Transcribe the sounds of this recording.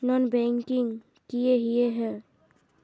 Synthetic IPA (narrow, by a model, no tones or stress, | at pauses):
nɔnbɛŋkiŋ | kijeɦijeɦɛ̃